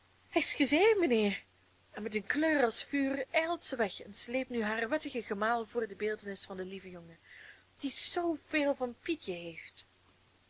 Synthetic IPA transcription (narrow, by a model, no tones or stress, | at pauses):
hɛɪsxəzeːnmənɪːr | ɛnmɛtənkløːrɑlˠsfyːrɛlˠtsəʋɛxɛnsleːp̚nyɦaːrʋɛtəɣəɣəmaːlˠvʊːrdəbeːlˠtənɪsfɑndəlivəjɔŋə | d̥iz̥owv̥eːlˠvɑnpitjəɦeːft